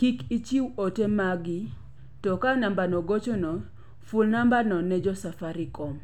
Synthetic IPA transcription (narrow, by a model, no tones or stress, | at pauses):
kikit͡ʃiwotemaɡi | tɔkanambanɔɡot͡ʃɔnɔ | fʊlnambanɔnɛd͡ʒɔsafaɾɪkɔm